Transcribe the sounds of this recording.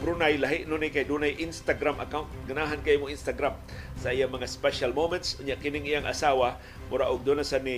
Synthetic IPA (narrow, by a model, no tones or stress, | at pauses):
bɾunajlaɦɪʔnunɪkajd̪unajʔinst̪aɡɾamʔa̰kawʊnt̪̚ɡanaɦankaʔimʊinst̪aɡɾam | saijaŋmɐŋaspɛʃalmomɛnt̪shʊɲaʔkɪnɪŋijaŋʔa̰sawa | mʊɾaʔʊɡ̚d̪onasani